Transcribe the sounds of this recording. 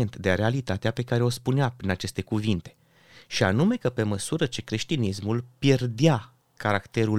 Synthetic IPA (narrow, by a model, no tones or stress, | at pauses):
ent̪d̪eaɾe̞alit̪at̪eape̞kaɾe̞o̞spuneapɾinat͡ʃe̞st̪e̞kuvint̪e̞ | ʃianume̞kəpe̞məsuɾət͡ʃe̞kɾe̞ʃt̪inismulpjerd̪ea | kaɾakt̪e̞ɾu